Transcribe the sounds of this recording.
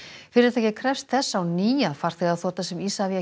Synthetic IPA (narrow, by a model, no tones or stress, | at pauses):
fɪɾɪɾaθɛːcɪkʰɾɛfst̪θɛsːaːwniːjaðfaɾ̥θɪɣaðθɔːt̪asɛmisavia